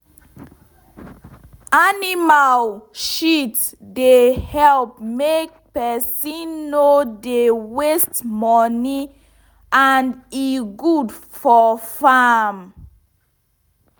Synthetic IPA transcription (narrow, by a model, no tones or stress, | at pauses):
animalʃitsdehɛlp̚mek̚pɛsĩnːodewestmɔni | aniɡudfɔfam